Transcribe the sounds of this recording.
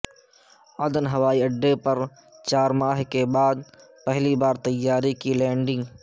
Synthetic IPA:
ɐd̪ənɦɐʋaːiɐɖːepɐɾ | t͡ʃaːɾmaːɦkebaːd̪̚ | pɛɦlibaːɾt̪ɐjːaːɾikilɛ̃ːɳɖɪ̃ŋɡ

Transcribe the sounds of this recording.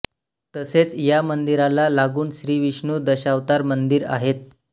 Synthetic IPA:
t̪əset͡sjamənd̪iɾalalaɡuːnsɾiːʋiɕɳuːd̪əɕaʋt̪aɾmənd̪iɾa̰ɦet̪̚

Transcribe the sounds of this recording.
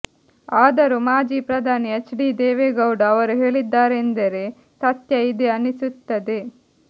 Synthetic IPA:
aːd̪ɐɾumaːd͡ʒiːpɾɐd̪ʱaːniɐt͡ʃɖid̪eːʋeɡɐwɖɐɐʋɐɾuɦe̞ːɭid̪ːaːɾend̪ɐɾe̞ | t̪ɐt̪jɐid̪eɐnisut̪ːɐd̪e

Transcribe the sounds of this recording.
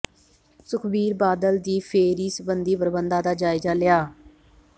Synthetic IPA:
sʊkʰbiːɾbaːd̪əld̪iːpʰeːɾiːsəbənd̪iːpəɾbənd̪ãːd̪aːd͡ʒaːɪzaːlɪjaː

